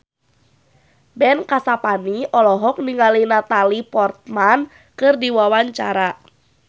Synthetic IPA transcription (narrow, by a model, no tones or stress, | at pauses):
bɛnkasapaniʔɔlɔɦɔk̚niŋalinat̪alipɔrt̪̚man | kɨrdiwawaɲt͡ʃaɾa